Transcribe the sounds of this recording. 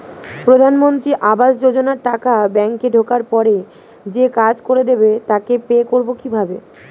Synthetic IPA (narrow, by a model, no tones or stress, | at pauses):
pɾod̪ʱanmont̪ɾiʔabaʃd͡ʑod͡ʑonaɾʈakabɛŋkeɖʱokaɾpɔɾe | d͡ʑekad͡ʑkoɾed̪ebet̪akepeekoɾbokibʱabe